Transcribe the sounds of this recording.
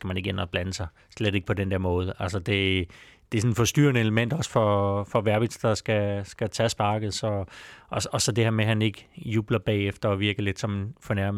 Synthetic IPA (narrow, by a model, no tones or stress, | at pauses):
sɡ̥æmæne̝ɡ̥enɒb̥lænəsɑ̈ɪ | sled̥e̝ɡ̥əpʰɒd̥end̥ɛɐmɔ̽ːð̞ˠælsəd̥e̝d̥e̝sɒ̽nfɒ̽sd̥y̰ːɐnəe̝ləmen̰d̥ɒ̽sfɒfɒ̽ʋæɐb̥id̥sd̥ɑ̈sɡ̥æsɡ̥æt͡sʰæsb̥ɑ̈ːɡ̥ð̩ˠsɒ̽ | ɒ̽sɒ̽d̥e̝heɐ̰meɦæne̝ɡ̥əjuːb̥lɐb̥ɛ̰ːefd̥ɐɒ̽ʋiɐɡ̥əle̝d̥sɒ̽mfɒnæɐm